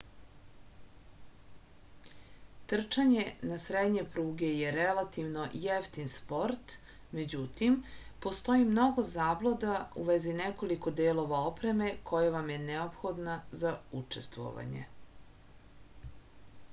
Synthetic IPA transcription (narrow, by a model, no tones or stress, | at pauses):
t̪r̩t͡ʃaɲenasɾed̪ɲe̞pɾuːɡe̞je̞ɾelat̪iʋno̞jeft̪inspo̞ɾt̪ | me̞d͡ʑut̪impo̞st̪o̞imno̞ɡo̞zaːblˠod̪auʋezineko̞liko̞d̪eːlo̞ʋaopɾe̞me̞kʰo̞jaʋamje̞neopxo̞d̪nazaut͡ʂest̪ʋo̰ʋa̰ɲḛ